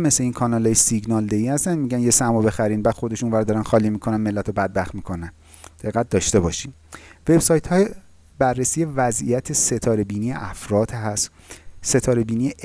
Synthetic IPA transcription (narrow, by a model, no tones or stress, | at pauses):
mesleiːnkʰɒːnɒlɒːjesiɡnɒːld̪eiːhæst̪ænmiːɟænjesæmobe̞xæɾiːnbæːd̪xo̞d̪e̞ʃunvæɾd̪ɒːɾænxɒːliːmiːkʰo̞nænme̞lːæt̪ʰobæd̪̚bæxt̪miːkʰo̞næn | d̪̥eɣæt̪̚d̪ɒːʃt̪e̞bɒːʃiːn | ve̞bsɒːjt̪ʰhɒːje | bærːesiːje̞væzḭjæt̪ʰeset̪ʰɒːɾe̞biːnijḛʔæfɾɒːd̪̥ɦæs | se̞t̪ʰɒːɾe̞biːnijeʔ